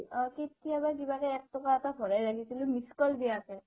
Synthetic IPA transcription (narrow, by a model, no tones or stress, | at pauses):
ɔketijabak̬ibakɛɛk̚tɔkaatabʱɔɹajɹakʰisilʊmiskɔlɡijakɛ